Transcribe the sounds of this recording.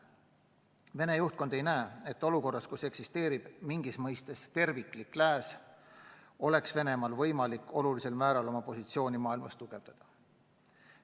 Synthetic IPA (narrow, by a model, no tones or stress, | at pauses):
ve̞ne̞juht̪̚ko̞nd̪̥e̞jnæːe̞t̪ːo̞luko̞rːɑskuse̞ksist̪e̞ːɾib̥miŋɡ̥ismɤjst̪e̞st̪e̞rvikˑliklæːs | o̞le̞ksve̞ne̞mɑlvɤ̞jmɑlikːˑo̞lulise̞lmæːɾɑlo̞mɑpo̞sit̪sio̞ːnʲimɑːilmɑ̰st̪uɡ̥e̞vd̪ɑd̪̥ɑ